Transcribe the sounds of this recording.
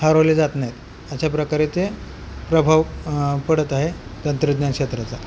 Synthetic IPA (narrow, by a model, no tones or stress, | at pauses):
haɾoʋled͡zat̪najet̪ | əɕapɾəkaɾet͡se | pɾəbʱaʋpəɽət̪aɦet̪ənt̪ɾəd̪nankʂet̪ɾat͡sa